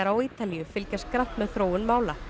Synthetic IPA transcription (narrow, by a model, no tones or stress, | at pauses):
aɾawiːt̪alijʏfɪlcaskɾan̥t̪mɛðθɾoːwʏnmaːwla